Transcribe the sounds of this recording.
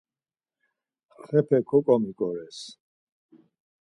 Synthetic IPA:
χɛpʰɛkʰɔkʼɔmikʼɔɾɛs

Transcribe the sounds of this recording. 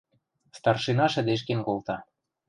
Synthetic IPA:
st̪ɑrʃinɑʃɘ̆d̪eʃ̬kenkolt̪ɑ

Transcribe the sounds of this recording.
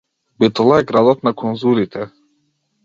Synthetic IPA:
bɛt̪ɔlˠaɛɡɾad̪ɔt̪nakʰɔnzuɾit̪ʰɛ

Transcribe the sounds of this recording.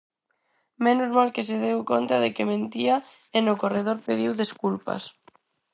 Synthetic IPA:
menʊzmalkes̬eðewkont̪aðekemẽnt̪ia | enokoreð̞oɾpeðiwðeskulpa̰s

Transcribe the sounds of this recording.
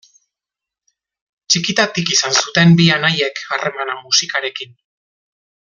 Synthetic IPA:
t͡ʃikit̪at̪ikisansut̪e̞mbianaje̞kʰare̞manamusikaɾe̞kin

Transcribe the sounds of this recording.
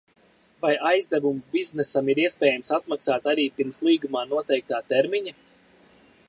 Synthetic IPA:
vajajzd̪ævumbiznɛsamiɾiɛspʲɛːjamsat̪̚maksaːt̪aɾiːpiɾmslˠiːɡumaːnuɔt̪ɛjk̚t̪aːt̪ɛɾmiɲa

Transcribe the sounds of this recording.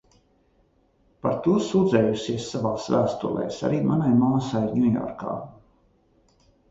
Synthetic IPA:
paɾt̪uɔsuːd̪zɛːjusiɛsːavaːsvæːst̪ṵlˠɛ̰jsa̰ɾiːmanajmaːsajɲʲujɔ̰ɾka̰ː

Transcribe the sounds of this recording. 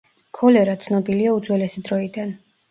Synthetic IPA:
kʰɔlɛɾat̪sʰnɔbiliaud̪zwɛlɛsid̪ɾɔid̪an

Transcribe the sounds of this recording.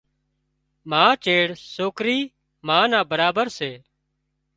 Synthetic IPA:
mãːt͡ʃeːɽsoːkɾiː | mãːnãːbəɾaːbəɾseː

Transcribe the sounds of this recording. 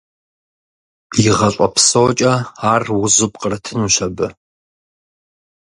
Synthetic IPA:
jɪʁɐɕʷʼɔpʰsowt͡ʃʼɐaːrwʊzɨpʼqʼərɐtʰɨnuɕɐbɨ

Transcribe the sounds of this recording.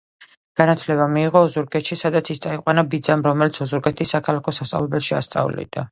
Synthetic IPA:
ɡ̥anat̪ʰlɛβamiːʁɔːzuɾɡɛt̪ʃisad̪at̪sʰist̪sʼaiqʼwanabid̪zamɾɔmɛlit̪sʰɔzuɾɡɛt̪ʰisːakʰalˠakʰɔsast̪ʼa̰vlɛbɛlʃia̰st̪sʼa̰vlḭd̪̥a

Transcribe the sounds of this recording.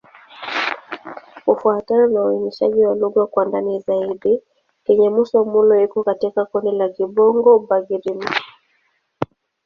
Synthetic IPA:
ufuatanɔnauiniʃa̰ʄiwaluɡwakwandanizaiɗi | kɛɲɛmusɔmulɔikɔkatikakɔndɛlakibɔŋɡɔbaɡiɾimi

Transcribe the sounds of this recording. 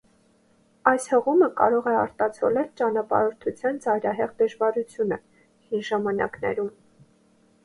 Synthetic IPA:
ɑjshəʁuməkɑ̰ɾɔʁɛɑɾt̪ɑt͡sʰɔ̰lɛlt͡ʃɑnɑpɑ̰ɾɔɾt̪ʰut͡sʰjɑnd͡zɑjɾɑɦɛʁd̪əʒvɑɾut͡sʰjunə | hinʒɑmɑnɑ̰knɛ̰ɾum

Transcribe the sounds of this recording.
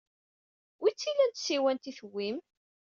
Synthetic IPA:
wit͡sːilænt̪siwænt̪iθəwːim

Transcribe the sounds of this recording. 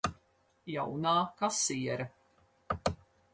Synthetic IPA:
jawnaːkasiɛɾɐ

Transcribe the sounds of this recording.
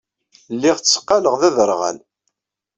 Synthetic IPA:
lːiʁt͡sːsə̥qːɑləʁðæðəɾˤʁæ̰l

